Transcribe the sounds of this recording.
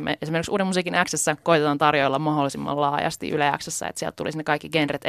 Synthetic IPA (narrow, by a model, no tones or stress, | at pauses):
mḛʔesimeɾrksṵːdemusiːkinæksesːækoit̪et̪ɑnt̪ɑrjoilːɑmmɑholːˑisimːɑ̰llɑːjɑ̰st̪ḭʔylæjɑ̰ksesːæ̰ḛt̪siælt̪t̪ulisnːekɑikːiɡenret̪